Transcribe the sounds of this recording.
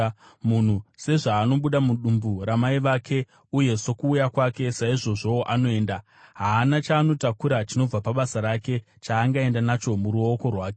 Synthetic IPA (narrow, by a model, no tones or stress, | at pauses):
mun̤use̞ʐaːno̞ɓuɗamuɗumburamaiʋakʰe̞ | uje̞so̞kuːjakwake̞saiʐo̞ʐo̞oʔano̞e̞ːnda | ɦaːnat͡ʃaːno̞takuɾat͡ʃino̞b͡vapaɓasaɾake̞ | t͡ʃaːŋɡae̞ndanat͡ʃo̞muɾuo̞ko̞rwaːke